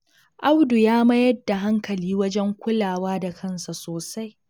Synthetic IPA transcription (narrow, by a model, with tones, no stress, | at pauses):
ʔa˦wdu˨jaː˦mɐ˦jɐ˦dːa˨ɦa˦ŋkɐ˨liː˦wɐ˦d͡ʒɛ˦ŋkʷʊ˦laː˨waː˦da˨kʰɐ˦nsa˨soː˨sa˦j